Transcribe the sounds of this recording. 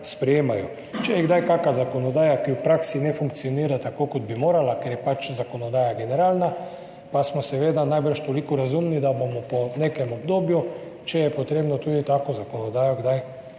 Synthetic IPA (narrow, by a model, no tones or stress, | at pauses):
spɾɛjeːmajo | t͡ʃɛjɛɡd̪ajk̪aːkazakonod̪aːjakiwpɾaːksinɛfuŋk̚t̪sijoniːɾat̪akoːkod̪̚bimoːɾalakeɾjɛpat͡ʃzakonod̪aːjaɡeneɾaːlna | pasmɔsɛʋeːd̪anajbərʃt̪olikɔɾazumnid̪abomɔpɔneːkɛmobd̪oːbju | t͡ʃɛjɛpot̪ɾeːbnot̪uːd̪it̪aːkozakonod̪aːjoɡd̪aj